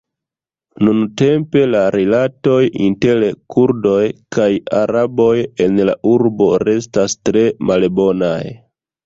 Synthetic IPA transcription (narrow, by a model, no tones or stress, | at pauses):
nunte̞mpe̞laɾʔilato̞jintelkʰuɾdo̞jkʰajaɾabo̞je̞nlaʔuɾbo̞ɾe̞stastɾe̞malbo̞na̰j